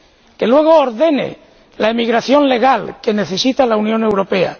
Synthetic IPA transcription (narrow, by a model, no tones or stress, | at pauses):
ke̞lwe̞ɣ̞oːɾðe̞ne̞̰ | laemiɣɾaθjo̞nle̞ɣ̞alke̞ne̞θe̞sit̪alaunjõ̞ne̞wɾo̞pe̞a̰